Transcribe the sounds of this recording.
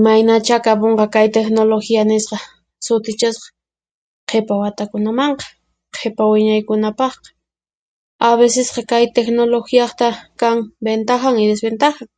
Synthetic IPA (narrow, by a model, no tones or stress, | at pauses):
majnat͡ʃakapoɴqɑkajt̪exnoloxianɪsqɑ | sʊt̪ɪt͡ʃɪsqɑ̥ | qʰepawat̪akʊnamɑɴqɑ̥ | qʰepawɪɲajkʊnapɑχqɑ̥ | aβesɪsqɑkajt̪exnoloxijɑχt̪akaŋbent̪axaŋɪd̪esbent̪axɑŋ